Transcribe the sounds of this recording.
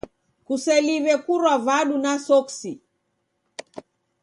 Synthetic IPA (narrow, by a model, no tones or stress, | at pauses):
kusɛliβɛkuɾwavaɗunasɔksi